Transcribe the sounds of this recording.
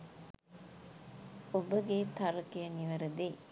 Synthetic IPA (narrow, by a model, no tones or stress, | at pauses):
obəɡet̪ɐɾəkejəniʋɐɾəd̪e